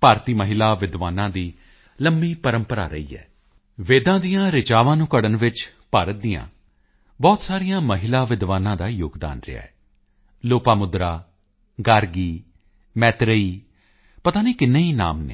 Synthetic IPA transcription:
paːɾt̪iːməɦɪlaːʋɪd̪ʋaːnãːd̪iː | ləmbiːpəɾəmpəɾa̰ːɾə̰ḭːɛ̰ː | ʋeːd̪ãːd̪ijãːɾɪt͡ʃaːʋãːnũːkəɽənʋɪt͡ʃpaːɾət̪̚d̪ijã̰ː | bɔːt̪saːɾɪjãːməɦɪlaːʋɪd̪ʋaːnãːd̪aːjoːɡd̪a̰ːnɾɪ̰a̰ːɛː | loːpaːmʊd̪ɾaː | ɡaːɾɡiː | mɛːt̪ɾəiː | pət̪aːniːkɪnːẽːiːna̰ːmnḛː

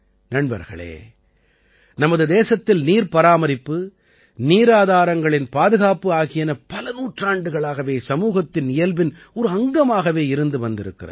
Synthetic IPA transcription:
nɐɳbɐ̰ɾɣɐ̰ɭḛː | nɐmɐðɯd̪eːsɐt̪ːɪlniːɾpɐɾaːmɐɾɪpːɯ | niːɾaːðaːɾɐŋɡɐɭɪnpaːðɯɣaːpɯaːɣɪjɐnɐpɐlɐnuːʈraːɳɖɯɣɐɭaːɣɐʋeːsɐmuːɣɐt̪ːɪnɪjɐlbɪn | ɔɾɯɐŋɡɐmaːɣɐʋeːɪɾɯnd̪ɯʋɐnd̪ɪɾɯ̰kːɪrɐð

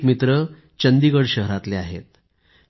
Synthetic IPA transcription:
kmit̪ɾə | t͡ɕənd̪iɡəɽɕəɦɾat̪leaɦḛt̪̚

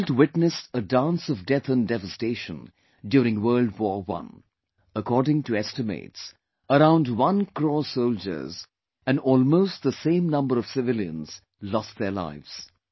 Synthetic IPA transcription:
ldwɪtnɨsədãnsʌvdɛθɨ̃ndɛvəsteɪʃə̃n | djuːɾɪ̃ŋwɜ˞ldwɔːɹwʌ̰̃n | əkʰɔːdɪ̃ŋtɨɛstɨmḛɪts | əɾãʊ̃ndwʌ̃nkʰɹɔsoʊld͡ʒə̰˞z | ɨ̃nɔlˠmoʊst̚ðəsẽɪ̃mnʌ̃mbəɾʌv̥sɨvɪljə̰̃nz̥ | lɔst̚ðə˞la̰ɪvz̥

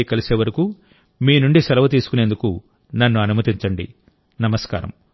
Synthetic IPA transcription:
ikɐlise̞ːʋɐɾiku | miːnuɳɖisɐlɐʋɐt̪̬iːsu̥kune̞ːnd̪uku | nɐnːuɐnumɐt̪iɲt͡ʃɐɳɖḭ | nɐmɐska̰ːɾɐ̰m

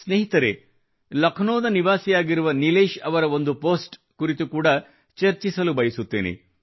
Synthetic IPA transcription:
sneːɦit̪ɐɾe | lɐkʰnoːd̪ɐniʋaːsijaːɡiɾuʋɐnileːʃɐʋɐɾɐo̞nd̪upo̞ːsʈ | kuɾit̪ukuːɽɐ | t͡ʃɐɾt͡ʃisɐlubɐjisut̪ːeːnḛ

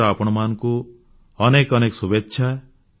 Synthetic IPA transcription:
ɔapɔɽ̃ɔmanku | ɔnekɔnekɔsubetːʃʰa

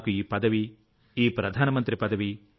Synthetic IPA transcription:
kuiːpɐd̪ɐʋi | iːpɾɐd̪ʱaːnɐmɐnt̪ɾipɐd̪ɐʋi

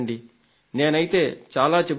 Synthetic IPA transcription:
ɳɖi | ne̞ːnɐjit̪e̞ːt͡ʃaːlaːt͡ʃeb

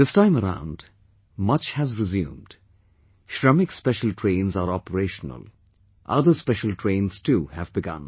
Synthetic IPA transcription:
ðɪstãɪ̃məɾã̰ʊ̃nd | mʌt͡ʃhæzɹɪzjṵ̃ːmd̥ | ʃɹʌmɪkspɛʃəl̩tʰɹẽɪ̃nzaɾɔpəɾeːʃnə̰l | ʔʌd̪əɾspɛʃəlʈʰɹẽɪ̃nz̥tuːhævbɪɡʌ̰̃n

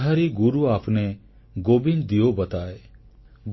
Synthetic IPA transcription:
ɦaɾiɡuɾuapʰne | ɡobind̪ijobət̪ae | ɡ

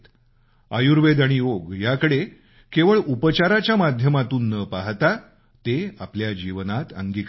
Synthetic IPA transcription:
t̪ | əjuɾʋed̪aɽ̃ioɡjakəɽe | keʋəɭupət͡ɕaɾat͡ɕjamad̪ʱjəmat̪uːnːəpaɦt̪a | t̪eapljad͡ʑiʋnat̪ə̰ŋɡik

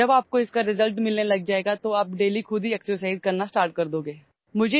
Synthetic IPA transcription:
ɐbaːp̚koɪskaɾɪzəlʈmɪlnelɐɡ̚d͡ʒaːeːɡat̪oaːp̚ɖeːlikʰʊd̪ʱiɛksəɾsaːɪzkɐɾnasʈaːɾʈ̚kɐɾd̪oːɡeː | mʊd͡ʒʱe

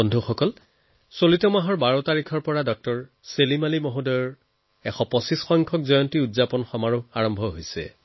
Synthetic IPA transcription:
ɔndʱuxɔkɔl | solitɔmaɦɔɹbaɹɔtaɹikʰɔɹpɔɹadɔk̚tɔɹ | selimalimoɦudɔjɔɹ | ɛxɔpɔsisxɔŋkʰɔk̚zɔjɔntiudzapɔnxɔmaɹɔaɹɔmbʱɔɦojsɛ̰

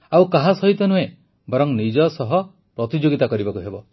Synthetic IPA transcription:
awkaɦasɔɦit̪ɔnuɦe | bɔɾɔŋnid͡ʒɔsɔɦɔ | pɾɔt̪id͡ʒoɡit̪akɔɾibɔkuɦebɔ

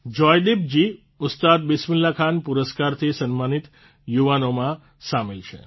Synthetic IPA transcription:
d͡ʒɔjɖib̚d͡ʒi | ʊt̪st̪ad̪̚bɪsmɪlːakʰanpuɾəskaɾt̪ʰisənmanit̪ | juʋanomã | samelt͡ʃʰḛ

